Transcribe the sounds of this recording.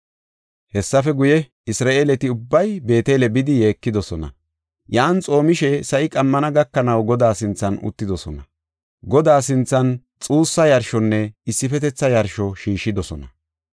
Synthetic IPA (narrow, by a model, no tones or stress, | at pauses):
hɛsːɐfɛɡʊjɛ | ɪsɾaːʔeːlɛt̪ɪʊbːɐjbe̞ːt̪eːlɛbɪd̪ɪje̞ːkːɪd̪ɔsɔnɐ̰ | jaːnt͡sʼo̞ːmɪʃɛsɐʔɪkʼɐmːɐnɐɡɐkːɐnɐwɡɔd̪aːsɪnt͡sːɐnʊ̰t̪ːɪd̪ɔsɔ̰nɐ | ɡɔd̪aːsɪnt͡sːɐn | t͡sʼuːsːɐjɐɾʃɔnːɛɪsːɪfɛt̪ɛt͡sːɐjɐɾʃɔʃiːʃːɪd̪ɔsɔnɐ